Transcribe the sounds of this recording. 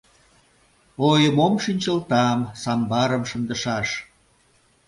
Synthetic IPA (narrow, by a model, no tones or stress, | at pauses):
ojəmomʃinʲt͡ɕəlt̪ɑmsɑmbɑɾəmʃə̆nd̪əʃɑʃ